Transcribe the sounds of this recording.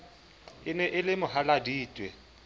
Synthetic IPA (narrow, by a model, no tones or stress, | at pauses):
ɪnɛʔɪlɪmʊɦaladiːtʼwɛ